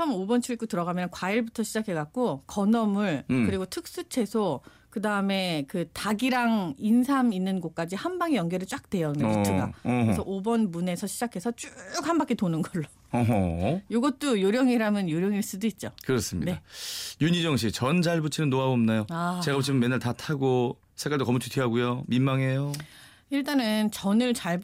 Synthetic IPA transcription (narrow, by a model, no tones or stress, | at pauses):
t͡ɕʰʌmobʌnt͡ɕʰuik͈otɯɾʌɣamjʌnkwaiɭbutʰʌɕʰid͡ʑakʰe̞ɡat̚k͈okʌnʌmɯɭkɯɾiɡotʰɯk̚s͈ut͡ɕʰe̞sʰo | kɯdaɯme̞kɯtaɡiɾaŋinsʰaminːɯnɡok̚k͈ad͡ʑihambaŋijʌŋɡeɾɯɭt͡ɕ͈ak̚t͈we̞jʌimeuɯɡa̰ɾesʰʌʔobʌnmune̞sʰʌɕʰid͡ʑakʰe̞sʰʌt͡ɕ͈ukhambak͈etonɯnɡʌɭːo | ɦʌjoɡʌt̚t͈ojoɾjʌŋiɾamɯnjoɾjʌŋiɭs͈udoit̚t͡ɕ͈okɯɾʌs͈ɯmɲḭneajuɲid͡ʑʌŋɕʰit͡ɕʌnd͡ʑaɭbut͡ɕʰinɯnːoaomnajoat͡ɕeɡabut͡ɕʰimɯmːenːaɭtatʰaɡo | sʰek͈aɭdokʌmutʰutʰɥiɦaɡujominmaŋɦe̞jo | iɭt͈anɯnt͡ɕʌnɯɭt͡ɕaɭ